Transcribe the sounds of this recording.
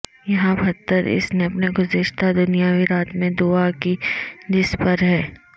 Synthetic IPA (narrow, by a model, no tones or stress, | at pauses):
jɐɦãbʱɐt̪ːəɾɪ̰sneɐpneɡʊzɪʃt̪ad̪ʊnijawiɾaːt̪mẽd̪uːakid̪ɪspɐɾɦɛː